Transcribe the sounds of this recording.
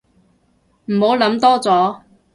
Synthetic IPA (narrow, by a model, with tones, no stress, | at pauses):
m̩˨˩ho˨˥wlɐ˨˥mt̪ɔː˥t͡sɔː˨˥